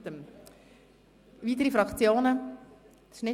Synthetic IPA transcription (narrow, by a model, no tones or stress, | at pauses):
təm | viːt̪əɾifɾɑkt͡sjoːnə̥ | ʃnɪ